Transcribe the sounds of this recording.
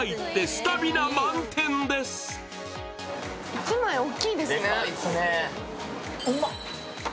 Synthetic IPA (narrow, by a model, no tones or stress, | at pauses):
it̪ːest̪abinamãnt̪ʰẽnd̪es | it͡simãĩokʲːiːd̪esɨneasne